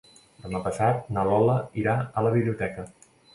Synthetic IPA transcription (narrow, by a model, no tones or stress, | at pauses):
d̪əmapəsat̪̚nəlɔləiɾaələβiβliut̪ɛkə